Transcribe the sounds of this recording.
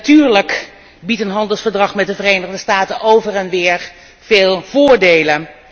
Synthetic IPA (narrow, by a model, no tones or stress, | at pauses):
ntyːɹlək | bitənɦɑndəlˠsfəɹdrɑχmɛtdəvərejnəχdəstaːtənʔowvərɛnʋɪːɹ | v̥eːlˠv̥oːɹdejlən